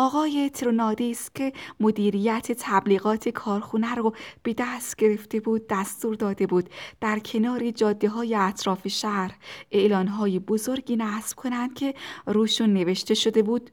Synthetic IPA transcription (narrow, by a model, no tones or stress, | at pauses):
ɒːɣɒːjet̪ʰɾonɒːd̪ist̪̚kcʲʰe̞mod̪iːɾiːjæt̪ʰet̪ʰæbliːɣɒːt̪ʰe̞kʰɒːɾxunæɾub̥e̞d̪æst̪ɟ̥e̞ɾe̞ft̪e̞buːd̪̚ːæst̪uːɾd̪ɒːd̪e̞buːd̪̥d̪̥æɾcʰe̞nɒːɾid͡ʒɒːd̪ːe̞ɦɒːjeæt̪ʰɾɒːfeʃæɾhʔe̞ʔlɒːnɦɒːjebozo̞ɾɡiːnæsb̥kʰo̞nænd̪̥̚cʲʰe̞ɾuːʃunːe̞ve̞ʃt̪e̞ʃo̞d̪ebuːd̪̥